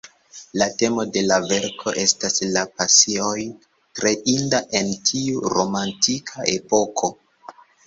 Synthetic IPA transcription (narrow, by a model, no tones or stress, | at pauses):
late̞mo̞de̞lave̞ɾkʰo̞ʔe̞staslapasioj | tɾeʔindaʔe̞ntʰiuɾo̞mantʰikʰaʔe̞po̞kʰo̞